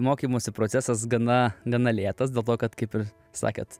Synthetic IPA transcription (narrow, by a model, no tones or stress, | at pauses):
moːkʲiːmoːsʲɪpɾoːt͡s̪ʲæsɐsɡɐnɐɡɐnɐlʲeːt̪ɐs̬dʲeːlˠt̪oːkɐt̪kɐɪpɪɾ | sɑ̰ːkʲḛːt̪